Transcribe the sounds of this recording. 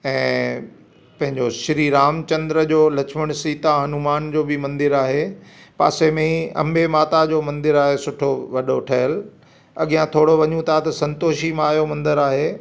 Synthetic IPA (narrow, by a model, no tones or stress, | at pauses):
ɛ̃ː | pɐ̃ɦɪ̃ɲd͡ʑoʃɪɾiɾaːmt͡ɕɐ̃nd̪ɾəd͡ʑoːlɐkʃʰmɪɽ̃siːt̪aɦɐnumaːnd͡ʑoːbɪmɐ̃nd̪ɪɾaːɦepa̰ːsemẽiɐ̰mbemaːt̪ad͡ʑoːmɐ̃nd̪ɪɾaːɦesʊʈʰoʋɐɗoʈʰɐɦəl | ɐɠijãt̪ʰoːɽoʋɐɲũt̪ʰat̪ɐsɐ̃nt̪oːʃimãːjomɐ̃nd̪əɾaːɦeː